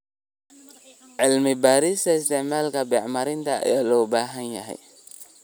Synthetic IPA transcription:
ʕɪlmɪbaːɾist̪ɐɪst̪ɛʕmaːlkʰɐbɛʕmɐɾɪnt̪ʰɐ̰ːjaːlɔːbaːɦɐnjɐ̰ɦɛ̰j

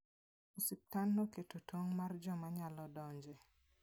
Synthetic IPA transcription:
osip̚tanːɔketotoŋmard͡ʒɔmaɲalɔdɔɲd͡ʒɛ

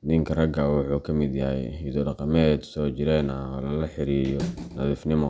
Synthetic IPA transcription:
nɪŋkʰɐrɐɡɐwʊħuːkʰɐmɪd̪jɐ̰hɛ̰jhɪðɔɖɑqɑmɛd̪sɔːt͡ʃɪɾɛːnɐɔlɐlɐħɪɾiːɾjɔnɐðɪfnɪmɔ

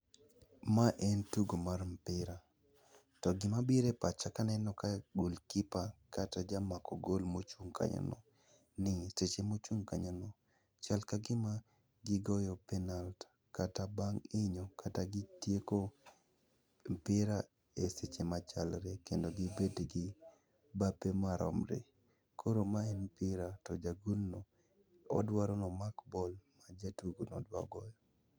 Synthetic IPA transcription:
maʔɛntuɡomarmpɪɾa | tɔɡɪmabiɾepat͡ʃakanɛnɔkaɡulkipakatad͡ʒamakɔɡolmot͡ʃuŋka̰ɲa̰no̰ | nɪset͡ʃemot͡ʃuŋkaɲano | t͡ʃalkaɡɪma | ɡɪɡɔjɔpɛnalt | katabaŋɪɲɔkʰataɡɪtjeko | mpɪɾa | eset͡ʃemat͡ʃa̰lɾekendoɡɪbedɡɪ | bapemaɾɔ̰mɾḛ | kʰoɾomaɛnpɪɾatɔd͡ʒaɡulnɔ | ɔ̰dwaɾɔnɔmakbɔlmad͡ʒatuɡunɔdwaɡɔjɔ

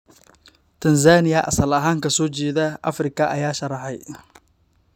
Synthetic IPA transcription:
t̪ʰɐns̬aːnɪjɐʔɐ̰sɐlɐɦaːŋkʰɐsɔːt͡ʃiːðɐʔɐfrɪkʰɐʔɐjaːʃɐrɑħɛj

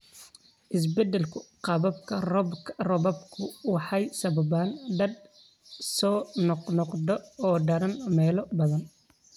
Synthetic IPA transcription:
ʔɪs̬bɛd̪ɛlkʰʊqɑβɐbkʰɐrbrɔβɐbkʰʊwɑħɑjsɐβɐbaːnd̪ɐd̪ | sɔːnɔqnɔqd̪ɔɔːɖɐɾɐnmɛːlɔbɐðɐn

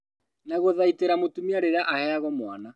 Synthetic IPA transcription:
naɣoðaiteɾamotumiaɾeɾaʔahɛaɣɔmwana

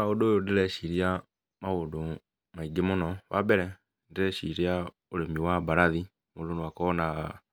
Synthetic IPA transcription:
aodojondeɾɛʃiɾia | maɣodo | maiɡemonɔβa̰bɛɾɛ | ndeɾɛʃiɾia | oɾemiwabaɾaði | molondowakɔna

